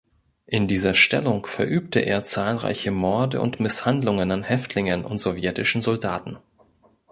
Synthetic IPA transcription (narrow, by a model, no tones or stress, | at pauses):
ʔɪndiːzɐʃtɛ̰lʊŋfɛɐʔyːp̚təʔḛːɐt͡saːlʁa̰ɪçəmɔɐdə̰ʊ̰ntmɪshandlʊŋənanhɛftʰlɪŋənʔʊ̰ntz̥ovjɛtɪʃn̩zɔlda̰ːtn̩